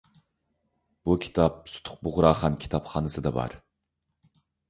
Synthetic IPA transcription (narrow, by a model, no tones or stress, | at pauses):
b̥ukʲʰi̥t̪ʰɑp̚su̥t̪ʰʊ̥q̚bʊʁɾɑːχɑnkʲʰi̥t̪ʰɑpχɑːnɨsɨd̪ɑbɑ̰ɾ